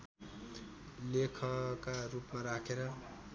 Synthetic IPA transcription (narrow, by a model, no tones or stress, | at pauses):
lekʰʌkarupmaɾakʰeɾʌ